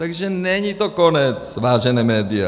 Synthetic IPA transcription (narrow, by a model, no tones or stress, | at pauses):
t̪aɡʒɛnɛɲit̪okonɛt͡svaːʒɛnɛːmɛːd̪ia